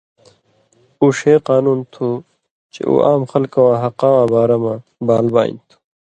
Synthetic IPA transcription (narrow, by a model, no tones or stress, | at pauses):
uʂeːqaːnuːnt̪ʰu | t͡ʃḛʔṵʔaːmxɐlkɐwaːɦɐqaːwãːbaːɾamã | baːlba̰ːḭnt̪ʰu̥